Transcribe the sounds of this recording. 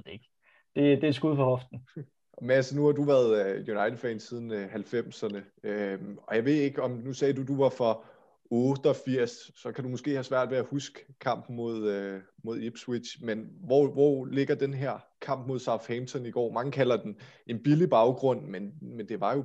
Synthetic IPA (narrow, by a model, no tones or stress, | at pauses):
eɡ̥ | d̥e̝d̥e̝sɡ̥uðˠfɒhɒ̽fd̥n̩ | mnælsɐnuhɑ̈duʋæɐðˠjunɑ̈ɪd̥ə̥fɛnsiːð̞ˠn̩ɦælfem̰sɐnə | øɒ̽jɑ̈ɪʋe̝ðˠe̝ɡ̥əɒ̽mnusɛːduduʋɑ̈fɒ̽ | ɔ̽ːd̥əɒ̽fiɐ̰ssɒ̽kʰæd̥umɔ̽sɡ̥e̝̰ːhæsʋæɐ̰d̥ʋeæhusɡ̥ə̥kʰɑ̈m̰b̥mo̝ð̞̰ˠømo̝ðˠib̥swid̥ɕmenʋɒʋɒ̰le̝ɡ̥ɐd̥enɦeɐ̰ | kʰɑ̈m̰b̥mo̝ð̞ˠsɑ̈ʊhɛmt͡sʰɒniɡ̥ɒ̰ːmɑ̈ŋəkʰælɐd̥en | ʔe̝nb̥ilib̥ɑ̈ʊɡ̥ʁɔ̽n̰menmend̥e̝ʋɑ̈jo̝